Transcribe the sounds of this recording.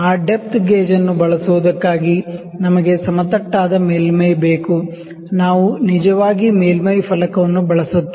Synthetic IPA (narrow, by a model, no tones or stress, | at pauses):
aːɖep̚t̪ɡeːd͡ʒɐnːubɐɭɐsuʋud̪ɐkːaːɡi | nɐmɐɡe̞sɐmɐt̪ɐʈːaːd̪ɐmeːlmɐjbe̞ːku | naːʋunid͡ʒɐʋaːɡimeːlmɐjpʰɐlɐkɐʋɐnːubɐɭɐsut̪ːi